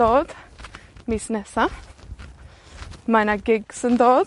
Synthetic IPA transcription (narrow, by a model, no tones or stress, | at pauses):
ɔːd̪̥ | misnɛsa | majnaɡɪɡsənd̪oːd̪